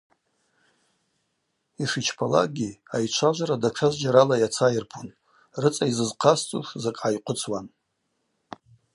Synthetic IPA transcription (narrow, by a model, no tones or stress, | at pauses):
iʂit͡ʃʰpʰala̰ɡʲiajt͡ʃʷʰaʒʷaɾadaʈ͡ʂʰaʒʷd͡ʒaɾalajat͡sʰajɪrpʰun | rɨt͡sʼaizɨzqʰast͡sʼṵʂzakʼʕajqʷʰʼʊt͡sʰwan